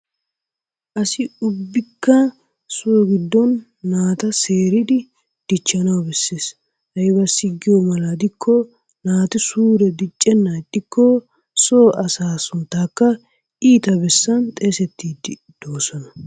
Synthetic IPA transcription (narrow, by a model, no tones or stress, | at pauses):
ʔɐsɪʊbːɪkːɐ | sʊɔɡɪd̪ːɔnː | aːt̪ɐse̞ːɾɪd̪ɪ | d̪̥ɪt͡ʃːɐnɐwbɛsːeːs | hɐjbɐsːɪɡːɪjɔmɐlɐd̪ɪkʰːɔ | naːt̪ɪsuːɾɛd̪ɪt͡ʃʼːɛnːɐt̪ːɪkːɔ | soːʔɐsaːsʊnt̪ːaːkːɐ | ʔiːt̪ɐbɛsːɐnt̪ʼeːsɛt̪ːiːd̪ɪ | d̪̥o̞ːsɔnɐ